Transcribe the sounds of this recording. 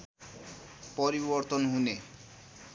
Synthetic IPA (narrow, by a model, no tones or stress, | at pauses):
poɾiboɾt̪onɦune